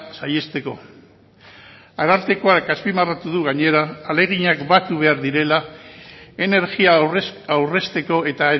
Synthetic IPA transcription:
saje̞st̪e̞ko̞̰ | aɾalt̪e̞ko̞akaspimarat̪uðuɣ̞aɲe̞ɾaːle̞ɣ̞iɲakbat̪uβ̞e̞aɾðiɾe̞la | e̞ne̞ɾɣiaawre̞st̪e̞ko̞e̞t̪ae

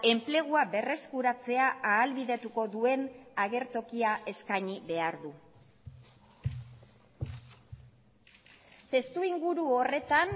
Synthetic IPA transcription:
e̞mple̞ɣ̞uabe̞re̞skuɾat͡se̞aaːlβiðe̞t̪uko̞ðue̞naɣe̞ɾt̪o̞kiaʔe̞skaɲiβe̞aɾðu | t̪e̞st̪uiŋɡuɾuo̞re̞t̪an

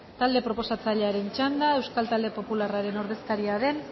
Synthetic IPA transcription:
t̪ald̪e̞pɾo̞po̞sat͡saʎeaɾe̞nt͡ʃand̪ae̞wskalt̪ald̪e̞po̞pularaɾe̞no̞ɾðe̞skaɾiaðe̞n

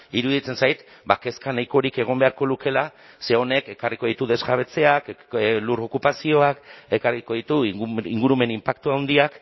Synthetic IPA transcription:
iɾuðit͡se̞nsajt̪ | bake̞skanajko̞ɾike̞ɣ̞o̞mbe̞aɾko̞luke̞la | se̞o̞ne̞ke̞kariko̞ð̞it̪uðe̞zɣaβ̞e̞t͡se̞akluɾo̞kupasio̞ake̞karɣiko̞ðit̪uiŋɡuɾume̞nimpak̚t̪uawnd̪iak

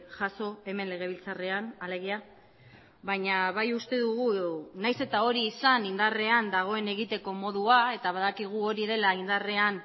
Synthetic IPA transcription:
ʝaso̞e̞me̞nle̞ɣ̞e̞βilt͡sare̞anale̞ɣia | βaɲaβajust̪e̞ðuɣ̞unajse̞t̪ao̞ɾiːsanind̪are̞and̪aɣ̞o̞e̞ne̞ɣit̪e̞ko̞mo̞ðuae̞t̪aβaðakiɣ̞uo̞ɾið̞e̞laind̪are̞an

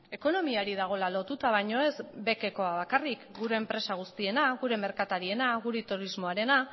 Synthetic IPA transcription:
e̞ko̞no̞miaɾið̞aɣ̞o̞lalo̞t̪ut̪aβ̞ajɲo̞e̞zbe̞ke̞ko̞aβakarikɡuɾe̞ːmpɾe̞saɣ̞ust̪ie̞naɣuɾe̞me̞ɾkat̪aɾie̞naɣuɾet̪uɾizmo̞aɾe̞na

